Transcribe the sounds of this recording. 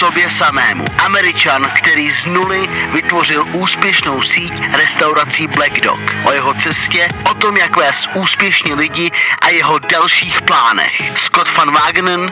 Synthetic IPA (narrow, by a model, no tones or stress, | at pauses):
sobjɛsamɛːmṵʔamɛɾɪt͡ʃankt̪ɛɾiːznulɪvɪt̪vo̞r̝ɪlʔuːspjɛʃno̞wsiːcɾɛst̪awɾat͡siblɛɡdo̰kʔojɛɦo̞t͡sɛscɛʔot̪omjakvɛːsʔuːspjɛʃɲɛlɪɟɪʔajɛɦo̞dalʃiːxplaːnɛ̰xskot̪fanvaːɡnn